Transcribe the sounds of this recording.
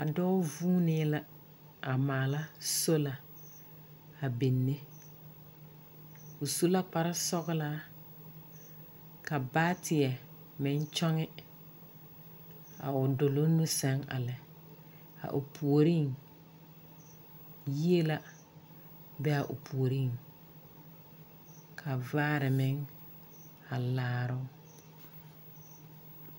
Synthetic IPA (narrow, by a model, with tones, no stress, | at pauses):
a˨dɔː˦vuː˦nɪ˦la˦ | a˨maː˨la˦so˦la˨ | a˨be˨nːe˦ | ʊ˨su˦la˦k͡pa˨ɾɪ˦sɔ˦ɣɪ˦la˦ | ka˨baː˦tʰɪ˨ɛ˨ | mɪ˨n˦t͡ʃɔ˦ŋɪ˦ | a̰˨ʊ˨dʊ˨lo˦nʊ˦sɛ˦ŋa̰˨lɛ˨ | a̰˨ʔʊ̰˨pʰu˨o˨ɾi˦˨ŋ | ji˦e˦la˦ | bɛ˦a˨ʔʊ̰˨pʰu˨o˨ɾi˦˨ŋ | kʰa˨vaː˦ɾɪ˨mɪ˨˦ŋ | a˨laː˦ɾʊ˦